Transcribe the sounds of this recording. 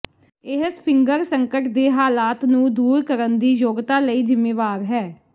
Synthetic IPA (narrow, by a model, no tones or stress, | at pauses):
ɪɦəspʰɪŋɡəɾsəŋkəʈd̪eːɦaːlaːt̪nũːd̪uːɾkəɾənd̪iːjoːɡt̪aːləiːd͡ʒɪmːeːʋaːɾɦɛː